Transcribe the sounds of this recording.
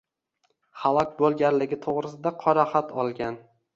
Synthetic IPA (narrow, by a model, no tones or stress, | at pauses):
χalˠɒkʲbolˠɡʲaɾlɪɡʲɪt̪ʰoʁɾɪsɪd̪aqʰɒɾaχat̪ʰɒlˠɡʲan